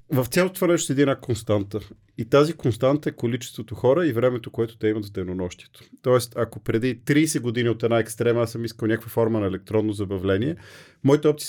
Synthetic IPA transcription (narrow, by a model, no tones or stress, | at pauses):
vəft̪sʲalˠot̪ovanɛʃ̬t̪ɛd̪iɛnakonst̪ant̪ə | it̪azikonst̪ant̪əɛkolit͡ʃɛst̪vot̪oxɔɾəivɾɛmɛt̪okoɛt̪ʊ̥t̪ɛimət̪vd̪əjnonɔʃt̪iɛ̥t̪o̥t̪ɔɛst̪ɐkopɾɛd̪it̪ɾiːsɛɡod̪inʲiot̪ɛd̪naɛkst̪ɾɛmɐasəmiskəlˠnʲakəkvəfɔɾmənɐɛlɛk̚t̪ɾɔnːozɐbɐvlɛniɛ | mɔit̪ɛɔpt̪si